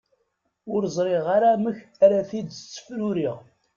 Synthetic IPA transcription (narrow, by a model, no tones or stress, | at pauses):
ʊɾzˤɾˤeʁaɾaməçæɾaθid̪t͡sːə̥fɾʊɾiʁ